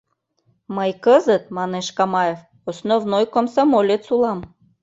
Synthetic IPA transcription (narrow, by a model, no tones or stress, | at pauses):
məjkəzət̪̚mɑneʃkɑmɑjef | osnovnojkomsɑmolʲet̪sulˠɑm